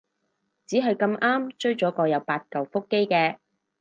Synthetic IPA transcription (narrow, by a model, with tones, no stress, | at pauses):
t͡siː˨˥ɦɐ˨jkɐ˧mʔaː˥mt͡ʃɵ˥ɥt͡ʃɔː˨˥kɔː˧jɐ˨˧wpaː˧t̚kɐ˨˩wfʊ˥kːe˥jkɛː˧